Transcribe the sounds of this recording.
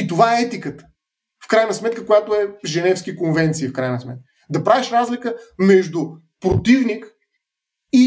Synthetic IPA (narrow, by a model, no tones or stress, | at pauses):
it̪ovaɛɛt̪ikət̪ə̥ | fkɾajnɐsmɛt̪kəkojat̪oɛʒɛnɛfskikonvɛnt̪siːfkɾajnɐsmɛt̪̚kə | d̪ɐpɾavɛʃɾazlʲikəmɛʒd̪ʊ | pɾot̪ivnik | i